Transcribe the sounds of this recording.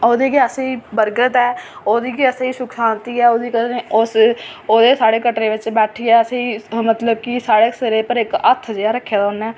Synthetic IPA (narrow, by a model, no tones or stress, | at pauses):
oːd̪iːkiəseibəɾɡət̪ɛːoːd̪iːkiəseːiːʃʊkʰsaːnt̪iːɛːoːd̪iːkəeːʊsoːd̪eːsaːɽeːkəʈɾeːʋɪt͡ʃbɛːʈʰiːɛːəseiːmət̪ləbkisaːɽeːsəɾeːpəɾɪkət̪ʰːd͡ʒeaːɾəkʰːeːd̪aːʊnɛː